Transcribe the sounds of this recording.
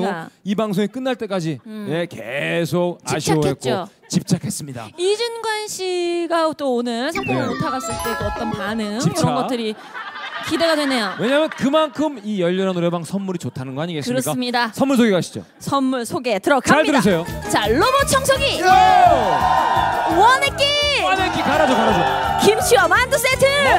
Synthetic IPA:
ɡoibaŋsʰoŋek͈ɯnːaɭt͈e̞k͈ad͡ʑine̞kesʰok̚t͡ɕaiɕʰit͡ɕaokʰːet̚k͈t͡ɕo | t͡ɕip̚t͡ɕ͈akʰe̞s͈ɯmɲida̰id͡ʑunɡwanɕʰiɡat͈oonɯɭsʰaŋpʰomɯɭmotʰaɡas͈ɯɭt͈e̞keʌt͈ʌnpanɯŋikɯɾʌɡʌt͈ɯɾi | kide̞ɡadwene̞jowe̞ɲaːmjʌnkɯmankʰɯmijʌʎːʌɾanoɾebaŋsʰʌnmuɾit͡ɕotʰanɯnɡʌaɲiɡekɯɾʌsk͈aɯmɲidasʰʌnmːuɭsʰoɡekaɕʰid͡ʑo̰ | sʰʌnmuɭsʰoɡe̞tɯɾʌkʰaaɭɯɾɯs̬ʰejot͡ɕaɭːobot͡ɕʰʌŋsʰoɡi | wʌnek͈iwanek͈ikaɾad͡ʑokaɾad͡ʑokimt͡ɕʰiʌmandos͈etʰɯ

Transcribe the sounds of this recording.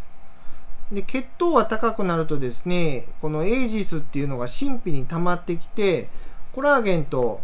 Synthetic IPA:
d̪e̞ke̞t̪ːo̞ːɡat̪akakɯ̟naɾɯ̟t̪o̞d̪e̞sɨne̞ko̞no̞e̞ːʑisɨt̪ːe̞iɯ̟no̞ɡaɕĩmpʲiɲ̟it̪amat̪ːe̞kʲi̥t̪e̞ko̞ɾaːɡẽ̞nt̪o̞

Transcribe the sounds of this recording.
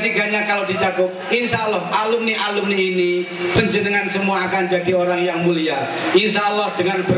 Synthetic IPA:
t̪iɡaɲakalodit͡ʃakʊp̚inʃalːɔɦʔalʊmniʔalʊmniini | pəɲd͡ʒənəŋansəmuaːkand͡ʒadioɾaŋjaŋmulia | inʃalːɔhdəŋanbə

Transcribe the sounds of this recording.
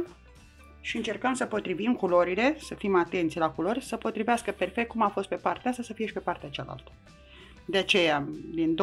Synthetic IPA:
ʃiɨnt͡ʃe̞rkəmsəpo̞t̪ɾivimkulo̞ɾile̞səfimat̪e̞nt̪sʲlakulo̞rʲsəpo̞t̪ɾiveaskəpe̞rfe̞k̚t̪̚kumafo̞st̪̚pe̞part̪east̪asəfie̞ʃʲpe̞part̪eat͡ʃa̰la̰lt̪ | d̪e̞at͡ʃe̞jad̪ind̪

